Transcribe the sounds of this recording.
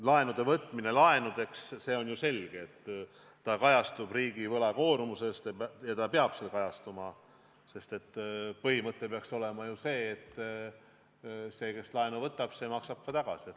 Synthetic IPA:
lɑe̞nud̪̥e̞vɤt̪ːˑmine̞lɑe̞nud̪̥e̞ksse̞ːo̞nʲjuse̞lɡ̥eːt̪ː | ɑkɑjɑst̪ub̥riːɡ̥ivɤlɑko̞ːɾmuse̞st̪jɑt̪ɑpeɑb̥selkɑjɑst̪umɑ | se̞st̪e̞t̪ːpɤhimɤt̪ːˑepeɑkso̞le̞mɑjuse̞ːt̪ː | se̞ːke̞slɑenuvɤt̪ːˑɑb̥se̞mɑksɑb̥̚kɑt̪ɑɡ̥ɑ̰si

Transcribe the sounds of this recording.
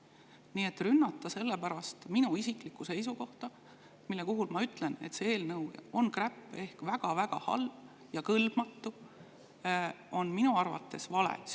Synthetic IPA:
nie̞t̪ːˑrynːɑt̪ˑːɑse̞lːepæɾɑst̪minuisiklikːuse̞jsuko̞ht̪ɑ | milːekoɦulmɑyt̪ːˑlene̞t̪see̞ːlnɤwo̞nkræpːˑe̞hkvæɡ̥ɑvæɡ̥ɑ̰hɑ̰lb̥ | jɑkɤlb̥mɑt̪ːu | o̞nminuɑrvɑ̰t̪ːe̞svɑlḛs

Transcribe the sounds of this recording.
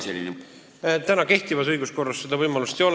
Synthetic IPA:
selʲːḭne | t̪ænɑke̞ht̪ivɑs̬ɤjɡ̥usko̞rːɑsːed̪̥ɑvɤjmɑlust̪ejo̞

